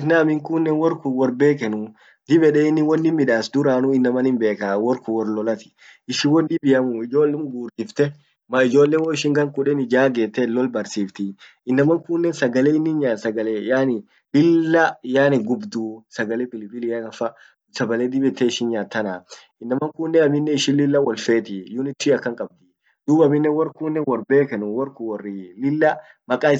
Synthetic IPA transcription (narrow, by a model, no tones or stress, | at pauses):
t̪naːmɪŋkunːɛnwɔɾkuwɔɾbe̞ːkɛnʊ | d̪ɪbɛᶑɛɪnːɪwɔnːɪmɪᶑaːsd̪ʊɾaːnʊɪnːɐmɐnɪmbeːkawɔɾkʊwɔɾlɔlɐt̪ɪ̥ | ɪʃɪwɔnːɪbɪjɐmʊɪd͡ʒo̞ːlːɛmɡuːɾd̪ɪft̪ɛ | mɐɪd͡ʒo̞ːlːɛnwɔɪʃɪŋɡɐŋkʊᶑɛnɪd͡ʒaːɡeːt̪ːɛlːɔlbɐɾsiːft̪ɪ | ɪnːɐmɐŋkʊnːɛnsɐɡɐlɛɪnːɪnɲaːt̪sɐɡɐlɛjaːnɪ | lɪlːɐjaːnɪɡʊbd̪uːsɐɡɐlɛpɪlɪbɪlɪakɐfɐ | sɐbɐleːd̪ɪbɛt̪ːɛɪʃɪnɲaːt̪ːɐna | ɪnːɐmɐŋkuːnːɛɐmɪnːɛɪʃɪnlɪlːɐwɔlfe̞ːt̪ɪjʊnɪt̪ːiɐkːɐŋkʼɐb̚d̪ɪ | d̪̥uːbɐmɪnːɛwɐrkuːnːɛnwɔɾbeːkɛnʊwɔɾkʊwɔrːɪlɪlːɐ | mɐkʼaːɪ